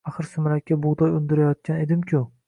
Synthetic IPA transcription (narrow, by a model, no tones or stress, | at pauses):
ɑχɨɾsɪmɾakʲːabʊʁd̪ɒjʊnd̪ɪɾajɒt̪̚kʲʰaned̪ɪmkʲʰʊ